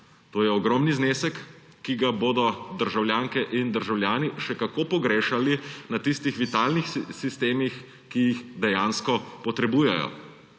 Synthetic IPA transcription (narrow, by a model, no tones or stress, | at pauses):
t̪oːjɛɔɡɾɔmnizneːsɛkː | iɡaboːd̪ɔd̪əɾʒawljaːŋkɛʔind̪əɾʒawljaːniʃɛkakoːpɔɡɾeːʃalinat̪ist̪ixʋit̪aːlnixsist̪eːmix | kijixd̪ɛjaːnskɔpɔt̪ɾɛbuːjɛ̰jɔ̰